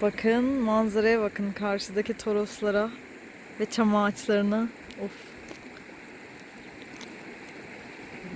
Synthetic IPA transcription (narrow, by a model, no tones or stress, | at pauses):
bakʰɯnmanzaɾajaβakʰɯnkʰaɾʃɯd̪acit̪ʰo̞ɾo̞slˠaɾa | vɛt͡ʃʰamaːt͡ʃlˠaɾɯnɯ | uf